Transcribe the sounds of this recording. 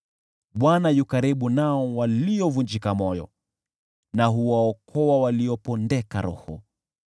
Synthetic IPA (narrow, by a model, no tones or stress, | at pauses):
ɓwanajukaɾiɓunaɔwaliɔvund͡ʒikamɔjɔ̰ | naɦuwaɔkʰɔwawaliɔpɔndɛka̰ɾɔ̰hɔ